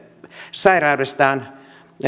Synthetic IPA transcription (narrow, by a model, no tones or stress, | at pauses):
sɑirɑːdest̪ɑːn